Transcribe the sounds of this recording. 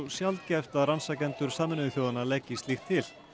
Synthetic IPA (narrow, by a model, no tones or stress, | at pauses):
sjalt̪cɛft̪aransacɛnt̪ʏɾ̥saːmɪnɪɪθjowðanalɛcːɪst̪lixt̪ʰɪl̥